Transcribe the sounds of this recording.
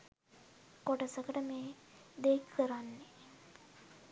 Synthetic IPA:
koʈəsəkəʈəmeːd̪ekʰːəɾanːe

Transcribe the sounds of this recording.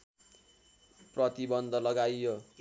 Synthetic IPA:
prʌt̪ibʌnd̪ʱʌlʌɡajjo

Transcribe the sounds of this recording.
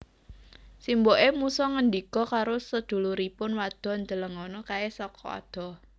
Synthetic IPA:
simboʔemusɔŋəndikɔkaɾosəd̪̥ṳluɾipʊnwad̪̥ɔ̤nd͡ʒələŋɔnɔkaesɔkɔ̰a̰d̪̥ɔ̤

